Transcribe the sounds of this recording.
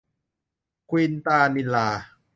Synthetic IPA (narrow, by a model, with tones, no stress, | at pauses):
kʰwiː˧nt̪aː˧ni˧laː˧